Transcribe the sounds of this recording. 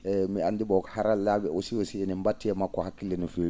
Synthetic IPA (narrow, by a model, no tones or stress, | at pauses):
ɛmiandibɔkhaɾalːaːbɛɔsiwɔsiɛnɛmbatːɛmakːɔhakːilːɛnɔfeɾ